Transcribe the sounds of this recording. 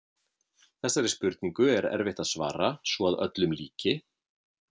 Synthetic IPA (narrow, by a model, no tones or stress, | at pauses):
θɛsːaɾɪspʏɾt̪niŋkʏɛɾɛ̰ɾvɪht̪aðsva̰ːɾasvɔaðœ̰t̪lʏmlḭːcɪ